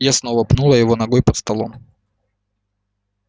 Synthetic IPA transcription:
jasnovɐpnulˠəjɪvo̞nɐɡojpɐt̪st̪ɐlˠo̰m

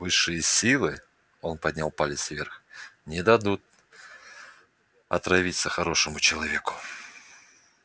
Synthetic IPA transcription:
vɨʂːɨjəsʲilˠɨ | o̞npɐdʲnʲalˠpalʲɪt̪svʲerxnʲɪd̪ɐd̪ut̪̚ | ɐ̰t̪ɾɐvʲit̪səxɐɾo̞ʂɨmʊt͡ɕɪlˠɐvʲe̞kʊ̥

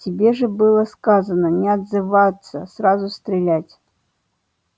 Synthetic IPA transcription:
tʲɪbʲeʐɨbɨlˠəskazɐnənʲɛɐd̪zɨvajt̪sə̰srazʊst̪ɾʲɪlʲætʲ

